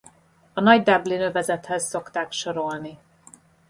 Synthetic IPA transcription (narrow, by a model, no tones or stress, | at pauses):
ɒnɒɟd̪ɛblinøvɛzɛt̪hɛzːo̞kt̪aːkʃo̞ɾo̞lni